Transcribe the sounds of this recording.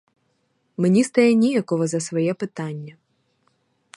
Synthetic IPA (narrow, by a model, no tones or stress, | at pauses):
menʲist̪ɐjɛnʲijɐkɔɦɔzɐsʋɔjɛpɪt̪ɑnʲːɐ